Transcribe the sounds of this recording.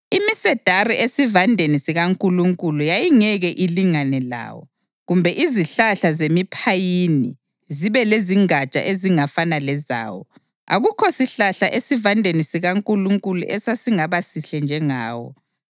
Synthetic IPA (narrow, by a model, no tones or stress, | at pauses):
imisɛd̥ʱariʔesivandʱenisiɣaŋkʼuluŋkʼulujajiŋɛɣɛʔiliŋanɛla̰ːwɔ̰ | ɣumbʱɛʔiziɬaɬazemipʰajinḭ | ziβɛleziŋat͡ʃʼa̰ʔeziŋafanalɛza̰ːwɔ̰ | a̰ɣukʰɔsiɬaɬaʔesivandʱenisiɣaŋkʼuluŋkʼulṵʔɛsasiŋaβasiɬɛnd͡ʒʱɛŋa̰ːwɔ̰